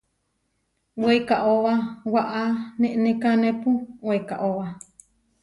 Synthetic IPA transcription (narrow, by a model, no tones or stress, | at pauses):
weikaʔoβawaʔanẽʔnẽkanẽpuikaʔowa